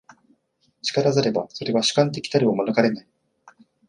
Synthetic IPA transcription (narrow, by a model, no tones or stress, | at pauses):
t͡ɕi̥kaɾazaɾe̞baso̞ɾe̞β̞aɕɨ̥kãnt̪̬e̞kʲi̥t̪aɾʲiomanɯ̟kaɾe̞nai